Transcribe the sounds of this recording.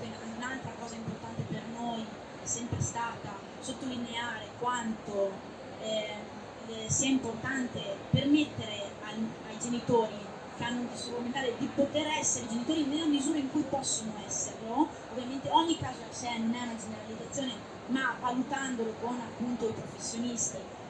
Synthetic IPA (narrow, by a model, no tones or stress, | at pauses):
ke | unalt̪ɾakɔːzaimport̪ant̪epernoj | ɛsːɛmpɾest̪aːt̪a | sot̪ːolineaːɾekwant̪o | ɛ | siaimport̪ant̪epermet̪ːeɾe | ajajd͡ʒenit̪oːɾi | keanːont̪isokument̪aːled̪ipot̪eɾɛsːeɾeid͡ʒenit̪oːɾinelːamizuːɾaiŋkujpɔsːonoɛsːerlo | ovːjament̪eɔɲːikːaːzosɛanonɛnad͡ʒeneɾalid̪at̪sːjoːne | mavalut̪and̪olokonapːunt̪oipɾofesːjonist̪i